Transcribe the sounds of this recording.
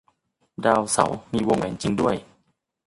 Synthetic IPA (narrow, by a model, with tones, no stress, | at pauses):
daː˧wsa̰˨˩˦wmiː˧wo˧ŋʔɛ̰ː˨˩nt͡ɕi˧ŋdu˥˩əj